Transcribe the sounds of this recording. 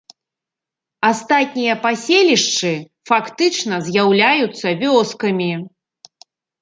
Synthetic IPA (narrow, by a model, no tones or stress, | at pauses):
ast̪at̪̚ʲnʲijɐpasʲelʲiʂt͡ʂɨ | fakt̪ɨt͡ʂnɐzʲjawlʲajut̪sːɐvʲɔskɐmʲi